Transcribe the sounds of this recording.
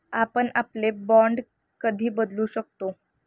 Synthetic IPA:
apəɳaplebɔ̃ɳɖ | kəd̪ʱiːbəd̪luːɕək̚t̪o

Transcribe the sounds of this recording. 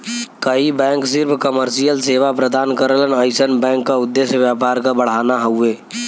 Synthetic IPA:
kəɦibɛ̃ŋksiɾpʰkəməɾsijəlseʋapɾəd̪ankəɾələnəɪsənbɛ̃ŋkːaud̪ːesjəbjapaɾkabəɽ̤anaɦəue

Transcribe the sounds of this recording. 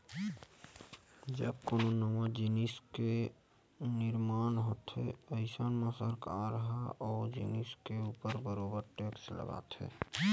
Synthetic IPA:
d͡ʒəbkononəmad͡ʒiniske | nɪɾmaːnɦoːt̪ɦḛəɪsənmãsəɾkaɾəɦaɔːd͡ʒḭniskeupəɾbəɾobəɾʈekslə̰ɡa̰ːt̪ʰɛ̰

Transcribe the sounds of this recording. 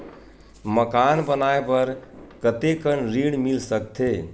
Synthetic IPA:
məkanbənaebəɾkət̪ekənɾiɽmilsəkt̪ʰe

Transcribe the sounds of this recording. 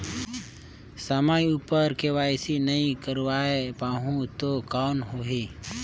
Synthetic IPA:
səmajupəɾkeʋaːjsinəĩkəɾʋaepaɦũt̪okanɦoɦi

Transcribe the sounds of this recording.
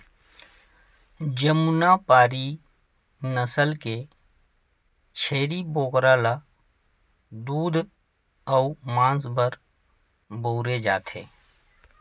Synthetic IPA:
d͡ʒəmunapaːɾi | nəsəlke | t͡ʃʰeːɾiboːkɾala | d̪uːd̪ʱ | əumãːnsbəɾ | boːɾed͡ʒa̰ːt̪ʰḛ̃ː

